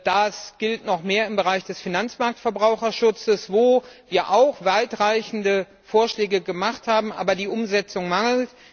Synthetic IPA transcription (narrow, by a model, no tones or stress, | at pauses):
d̥asɡ̥ɪltnɔχmeːɐɪmbəʁaɪçd̥ɛsfinant͡smaɐk̚tfɛɐbʁaʊxɐʃʊt͡səsv̥oːviːɐʔaʊxv̥aɪtʁ̥aɪçn̩də | foːɐʃlɛːɡəɡəmaχthaːbm̩ʔa̰ːbɐdiːʔʊmzɛt͡sʊŋmaŋl̩t